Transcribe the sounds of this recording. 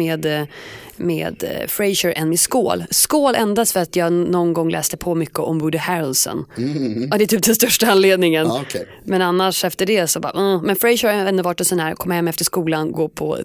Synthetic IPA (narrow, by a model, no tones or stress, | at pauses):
eːd̪ | mḛːd̪fɾɛɪʃəɾʔɛnmɪsko̰ːlskoːlɛ̰nd̪ast̪fœɾat̪jɑːnɔnɡɔŋlʔɛ̰ːst̪əpʰɔmʏkːəʔɔmbʊɖ̪əhæɾlsɔ̰n | d̪ɛɛt̪ʰyːp̚d̪ɛnst̪œʂʈaanleːd̪nɪŋənʰ | mɛnanːaʂɛft̪əɖɛsɔbɑ̰ːʔ̩mɛnfɾɛɪʃəɾɛnːʉvɑːʈːɛsɔnhæːɾkʰɔmːahɛmɛft̪əʂkuːlanɡoːpʰɔ̰